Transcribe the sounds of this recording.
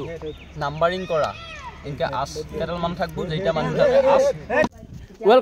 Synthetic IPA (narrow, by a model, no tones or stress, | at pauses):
nambaɹiŋkɔɹa̰enkɛʔaskɛtɛlmantʰak̚buzejtamanizatɛʔas | uɛl